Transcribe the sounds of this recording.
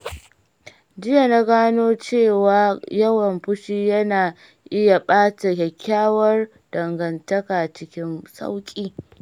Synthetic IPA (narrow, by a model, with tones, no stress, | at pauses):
d͡ʒɪ˦ja˨na˦ɡaː˦noː˦t͡ʃeː˦˨waː˨jɐ˦wɐ˨mɸʊ˦ʃiː˦jɐ˦naː˨ | ʔɪ˦ja˨ɓaː˦ta˨kʲɐ˨kʲʰːaː˦wɐ˦r | d̥ɐ˨ŋɡɐ˨ntɐ˦kaː˨t͡ʃɪ˦kʲɪ˦nsʼa̰˦wkʲʼiː˦